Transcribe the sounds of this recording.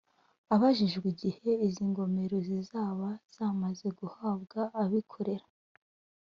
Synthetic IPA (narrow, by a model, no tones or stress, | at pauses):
aβaʒiʒɡwiɟihe̞iziŋɡo̞me̞ɾozizaːβaz̥aːmaze̞ɡuhaːbɡaʔːβikʰo̞ɾe̞ɾa